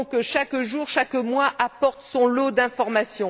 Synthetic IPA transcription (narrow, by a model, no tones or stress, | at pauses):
kəʃakʒuʁʃakmwaʔapɔʁt̪sɔ̃lod̪ɛ̃fɔʁmasjɔ̃